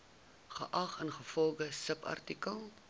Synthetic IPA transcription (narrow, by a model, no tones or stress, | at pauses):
χə̰ʔɐχənχəfɔlˠdəsəpɐ̰rtikəlˠ